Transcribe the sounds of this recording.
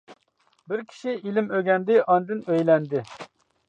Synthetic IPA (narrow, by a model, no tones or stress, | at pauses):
bɪɾkʲʰi̥ʃiilɪmøɡʲɛnd̪ɪʔɑnd̪ɨnøjlɛnd̪ɪ